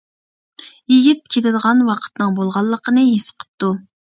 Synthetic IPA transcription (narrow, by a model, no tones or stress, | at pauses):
jiɡʲit̪̚kʲʰet̪ɪd̪əʁɑnwɑqʰə̥t̪nɨŋbolˠʁɑlˠːəqʰənɨjesə̥qʰə̥p̚t̪u